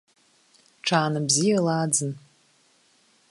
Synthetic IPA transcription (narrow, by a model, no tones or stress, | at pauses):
ʈ͡ʂʰaːnabzijalaːd͡zɨn